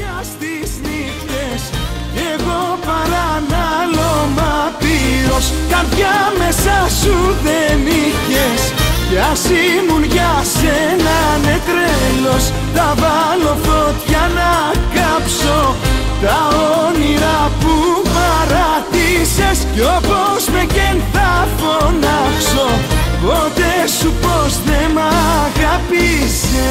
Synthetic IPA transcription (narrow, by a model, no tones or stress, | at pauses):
ɐst̪isnixt̪es | ceɣo̞pɐɾɐnɐlomɐpiɾoskɐt̪ʝɐmesɐsuðeniçes | ceɐsimunʝɐsenɐnet̪ɾelo̞s | t̪ɐvɐlo̞fot̪çɐnɐ | kɐpso̞ | t̪ɐoniɾɐpumɐɾɐt̪ise̞sceopozmecenθɐfonɐkso̞pot̪esupozðemɐɣɐpise